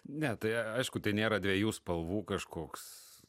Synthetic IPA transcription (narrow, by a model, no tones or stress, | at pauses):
nʲɛt̪ɐɪɐɪʃkʊt̪ɐɪnʲeːɾɐdʲʋʲiɛjuːspɐlˠʋuːkɐʃkoːks